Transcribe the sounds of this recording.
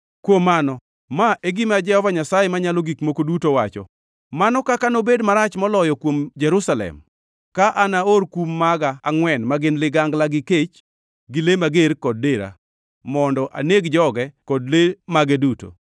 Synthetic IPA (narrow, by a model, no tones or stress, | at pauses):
kwomːanɔ | maʔeɡɪmad͡ʒɛhɔvaɲasajɛmaɲalɔɡikmokodutowat͡ʃɔ̰ | manɔkakanobedmaɾat͡ʃmɔlɔjɔkwomd͡ʒɛɾusalɛ̰m | kaʔanaorkumːaɡaːŋwɛnmaɡɪnlɪɡaŋɡlaɡɪket͡ʃ | ɡɪlemaɡeɾkɔd̚deɾa̰ | mɔndɔʔa̰neɡd͡ʒɔɡɛkɔdlemaɡɛduto̰